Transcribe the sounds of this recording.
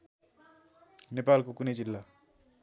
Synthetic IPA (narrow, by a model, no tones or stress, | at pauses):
nepaːlkokuned͡ʒilːa